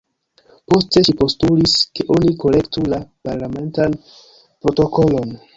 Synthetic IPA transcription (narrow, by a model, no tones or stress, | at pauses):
po̞ste̞ʃipo̞stuliske̞ʔo̞niko̞le̞ktulapaɾlame̞ntan | pɾo̞to̞ko̞lo̞n